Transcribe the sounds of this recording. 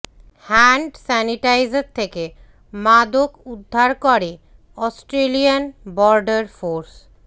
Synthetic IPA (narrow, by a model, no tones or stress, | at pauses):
hɛɳɖsɛniʈajzɾt̪ʰeke | mad̪okud̪ʱːaɾkoɾe | ɔsʈɾelijanbɔɾɖaɾfoɾs